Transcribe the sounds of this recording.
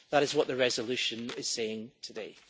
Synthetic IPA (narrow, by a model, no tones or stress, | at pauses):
ðəɾɪzwɔʔðəɹɛzəlˠʉʃə̃nɪz̥seɪ̃ŋtʰədḛ